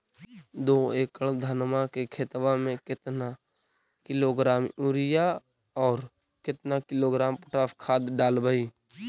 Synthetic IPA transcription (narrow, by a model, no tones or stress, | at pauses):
d̪oːeːkəɭd̪ʱanmakekʰeːt̪ʋamẽkɪt̪na | kɪloɡɾaːmuɾɪja | ɔːɾ | kɪt̪nakɪloɡɾaːmpʊ̥ʈaːfkʰaːd̪ɖaːlbəiː